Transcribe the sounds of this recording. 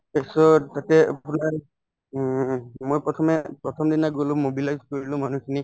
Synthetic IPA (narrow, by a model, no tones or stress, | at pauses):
esɔtatɛa̰punaɹ | mojpɹɔtʰɔmɛpɹɔtʰɔmdinaɡolʊ̃mobilajzkoɹilʊ̃manukʰini